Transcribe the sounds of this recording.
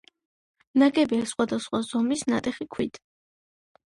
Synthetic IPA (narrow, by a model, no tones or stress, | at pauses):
naɡɛbɛsχwad̪asχwazɔmisna̰t̪ʼɛχikʰwḭd̪